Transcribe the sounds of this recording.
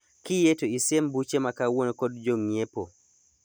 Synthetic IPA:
kijɛtɔisembut͡ʃɛmakawɔnkɔdd͡ʒoŋjɛpɔ

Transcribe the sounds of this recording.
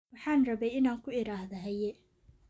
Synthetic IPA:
wɑħɑːnrɐβɛjɪnaːŋkʰʊɪɾaːɦðɐɦɐjɛ

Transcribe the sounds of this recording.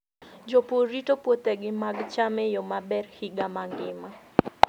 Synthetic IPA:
d͡ʒopoɾitopwot̪ɛɡɪmaɡt͡ʃamɛjomabɛrhiɡamaŋɡɪma

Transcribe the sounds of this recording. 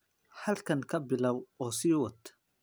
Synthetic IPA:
ħɐlkʰɐŋkʰɐbɪlɐwɔːsiːwɐt̪ʰ

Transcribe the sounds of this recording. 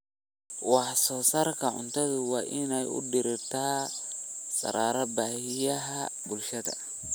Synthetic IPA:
wɑħsɔːsɐrkʰɐʕʊ̰nt̪ʰɐðʊwɑːʔɪnɛjʊ̰ɖɪɾɪt̪ʰaː | sʼɐ̰ɾaːɾɐbaːhɪjɐɦɐbʊlʃɐðɐ̰

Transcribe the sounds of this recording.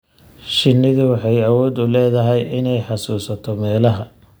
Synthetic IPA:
ʃɪnːɪðɪwɑħɑjɐwɔːd̪ʊlɛːðɐɦɛjɪnɛjħɑsuːsɐt̪ʰɔmɛːlɐɦɐ

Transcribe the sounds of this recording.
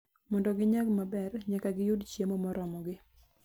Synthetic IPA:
mɔndɔɡɪɲaɡmabɛrɲakaɡɪjʊdt͡ʃjemɔmɔɾɔmɔɡɪ

